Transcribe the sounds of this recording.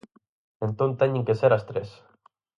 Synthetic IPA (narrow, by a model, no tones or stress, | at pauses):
ẽnt̪õnt̪eɲẽŋkeseɾɐst̪ɾes